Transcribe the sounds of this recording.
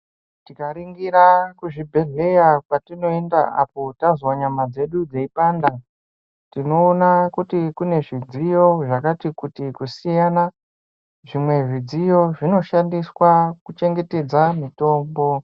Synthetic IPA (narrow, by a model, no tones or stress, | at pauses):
tikaɾiŋɡiɾakuʐibʱe̞ɮe̞japatino̞endaʔa̰po̞tazwaɲamad͡ze̞ɗud͡zeipaːnda | tino̞ːnakutikune̞ʐid͡zijo̞ʐakatikutikusijana | ʐimwe̞ʐid͡zijo̞ʐino̞ʃandiswakut͡ʃe̞ŋɡe̞te̞d͡zamito̞ːmbo̞